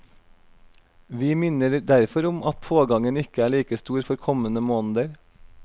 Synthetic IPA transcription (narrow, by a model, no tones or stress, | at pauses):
ʋiːmɪnəɾd̪æɾfɔɾʊmɑt̪pʰoːɡɑŋənɪkəæːɭiːkəst̪uːɾfɔɾkʰɔmənəmoːnd̪əɾ